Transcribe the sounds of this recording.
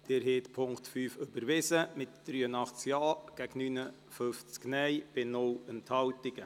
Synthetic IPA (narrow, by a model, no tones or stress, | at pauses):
d̪̥ɪɾɦeːtpʰʊŋktfyːfʏb̥əɾʋɪsəmɪtd̥ɾyːənɑχt͡skjɑːɡ̥æɡnyːnə | føft͡sknɛjb̥ɪnʊlənthɑltɪɡ̥ə